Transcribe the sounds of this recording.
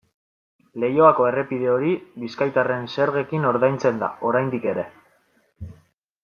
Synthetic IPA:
le̞jo̞ako̞e̞re̞pið̞e̞o̞ɾiβiskajt̪are̞nse̞ɾɣe̞kino̞ɾðajnt͡se̞nd̪a̰o̞ɾajnd̪ike̞ɾe̞

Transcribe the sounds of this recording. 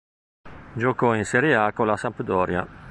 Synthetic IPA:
d͡ʒokɔinsɛɾiaːkolasampd̪ɔːɾja̰

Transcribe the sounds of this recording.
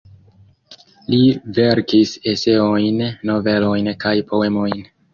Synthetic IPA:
live̞ɾkise̞se̞ojnːo̞ve̞lo̞jnkajpʰo̞e̞mo̞jn

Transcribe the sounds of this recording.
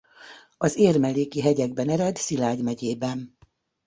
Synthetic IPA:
ɒzeːrmɛleːkiɦɛɟɛɡbɛnɛɾɛd̪silaːɟmɛɟeːbɛn

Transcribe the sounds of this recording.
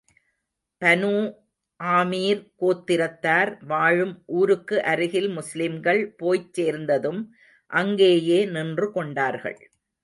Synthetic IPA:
pɐnuː | ʔaːmiːɾkoːt̪ːɪɾɐt̪ːaːɾʋaːɻɯmʔuːɾɯkːɯʔɐɾɯɣɪlmʊslɪmɡɐɭpoːjt͡ʃːeːɾnd̪ɐðɯm | ʔɐŋɡeːjeːnɪndrɯkɔɳɖaːɾɣɐ̰ɭ

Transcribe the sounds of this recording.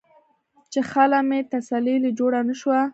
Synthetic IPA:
t͡ʃexalamet̪asalilid͡ʒoɽanəʃwa

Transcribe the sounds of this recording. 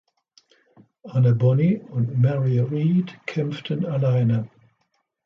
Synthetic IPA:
anəbɔniə̃nmɛɹiəɹiːd̥kʰɪ̃mftʰə̃nəlaɪnə

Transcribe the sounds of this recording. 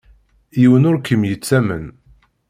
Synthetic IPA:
jiwənʊɾkəmjət͡sːæmən

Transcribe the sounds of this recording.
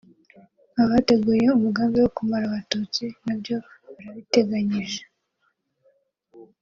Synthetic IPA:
aβate̞ɡuːje̞umuɡaːmbiwokumaɾaβatuːt͡sinabɟo̞βaɾaβite̞ɡaɲiʒe̥

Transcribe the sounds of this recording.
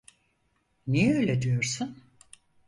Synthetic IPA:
nijɛøːlʲed̪ijoɾsun

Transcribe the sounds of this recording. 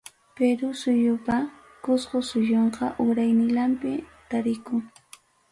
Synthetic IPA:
peɾʊsʊjʊpa | kʊsqosʊjoɴqɑʔʊɾajnɪlampɪt̪aɾɪkʊŋ

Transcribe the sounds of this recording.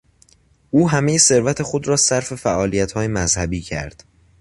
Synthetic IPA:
ʔuːɦæme̞jese̞ɾvæt̪ʰe̞xo̞d̪ɾɒːsæɾfe̞fæʔɒːlijæt̪ʰhɒːjemæzhæbiːcʰæ̰ɾd̪̥

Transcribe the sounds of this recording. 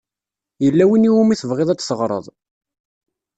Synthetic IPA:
jəlːæwiniumiθəvʁeðˤæt͡sːsəʁɾˤə̰ðˤ

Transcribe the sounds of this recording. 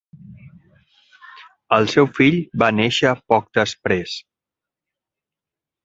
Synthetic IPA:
əlˠsɛwfiʎbaneʃəpɔk̚d̪əspɾes

